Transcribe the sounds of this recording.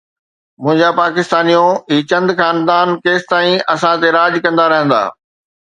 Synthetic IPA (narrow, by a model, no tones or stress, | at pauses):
mʊ̃ɦɪ̃ɲd͡ʑapaːkɪst̪aːnijõiːt͡ɕɐ̃nd̪kaːnd̪aːnkeːst̪aːĩɐsãt̪eɾaːd͡ʑkɐ̃nd̪aɾɐɦə̃nd̪a̰ː